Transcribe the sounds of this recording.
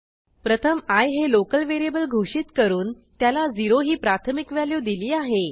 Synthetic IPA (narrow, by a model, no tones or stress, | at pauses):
pɾət̪ʰəmajɦelokəlʋeɾijebəlɡʱoʂiːt̪kəɾuːn | t̪jalad͡ziɾoɦiːpɾat̪ʰəmikʋjaljud̪iliːaɦe